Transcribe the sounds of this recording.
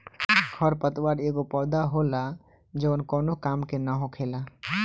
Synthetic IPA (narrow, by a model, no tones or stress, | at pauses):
ɡʱəɾpət̪waɾeɡopɔɾd̪aɦola | d͡ʒəʋənkoːnokaːmkenaɦokʰela